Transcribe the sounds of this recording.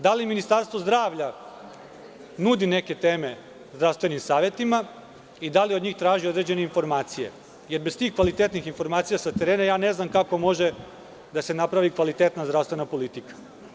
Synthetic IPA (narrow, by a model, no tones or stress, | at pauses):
d̪aliminist̪aɾst̪ʋo̞zd̪ɾaːʋʎa | nuːd̪ine̞ke̞t̪e̞ːme̞ | zd̪ɾaʋst̪ʋe̞nimsaːʋje̞t̪ima | id̪alio̞d̪ɲiːxt̪ɾaːʒiod̪ɾe̞d͡ʑe̞ne̞info̞ɾmaːt̪sije̞̰ | je̞ɾbe̞st̪iːxkʋalit̪et̪nixinfo̞ɾmaːt̪sijasat̪eɾeːnajaːne̞znamkako̞mo̞ʒe | d̪ase̞napɾaʋikʋalit̪eːt̪nazd̪ɾast̪ʋe̞napo̞lit̪ikḁ